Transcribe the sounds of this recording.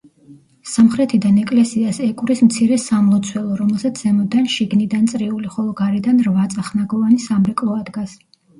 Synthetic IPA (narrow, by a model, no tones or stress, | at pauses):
samχɾɛt̪ʰid̪anɛkʼlɛsiasɛkʼuɾismt̪sʰiɾɛsamlˠɔt̪sʰwɛlˠɔɾɔmɛlˠsat̪sʰz̥ɛmɔd̪anʃiɡnid̪ant̪sʼɾiuliχɔlˠɔɡaɾid̪anɾvat̪sʼaχnaɡɔvanisamɾɛkʼlˠɔad̪ɡas